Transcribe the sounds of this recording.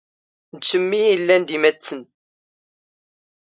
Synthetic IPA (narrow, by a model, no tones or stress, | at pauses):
d̪səmːijilːænd̪imæt͡sːən